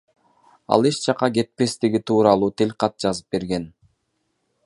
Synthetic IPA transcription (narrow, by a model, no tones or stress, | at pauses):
ɑ̰lˠeʃt͡ʃɑqɑɡe̞t̪̚pe̞st̪iɡit̪ʰuːɾɑlˠuːt̪ʰelʲqɑt̪̚d͡ʒɑzɯp̚be̞ɾɡe̞n